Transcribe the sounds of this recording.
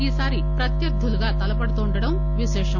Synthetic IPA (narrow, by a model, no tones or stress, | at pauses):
iːsaːɾipɾɐt̪jɐɾd̪ʱːuluɡaːt̪ɐlɐpɐɽɐt̪uːɳɖɐɽɐm | ʋiʃɛːʂɐ